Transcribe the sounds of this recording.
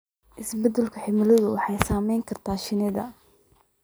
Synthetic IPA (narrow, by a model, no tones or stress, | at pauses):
ʔɪsbɛd̪ɛlkʰʊħɪmɪlɐðʊwɑħɑjsaːmɛjŋkʰɐrt̪ʰaːʃɪnɪðɐ̰